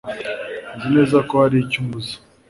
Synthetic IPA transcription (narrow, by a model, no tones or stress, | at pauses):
nzinezakohaɾicumbuzi̥